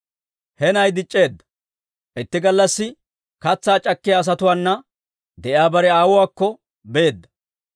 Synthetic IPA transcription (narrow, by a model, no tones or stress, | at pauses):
hɛnɐjd̪ɪt͡ʃʼːe̞ːd̪ːɐ̥ | ʔɪt̪ːɪɡɐlːɐsːɪ | kɐt͡sːaːt͡ʃʼɐkːɪjaːs̬ɐt̪ʊwaːnːɐ | d̪ɛʔjaːbɐɾɛaːwʊwaːkːɔ | be̞ːd̪ːɐ̥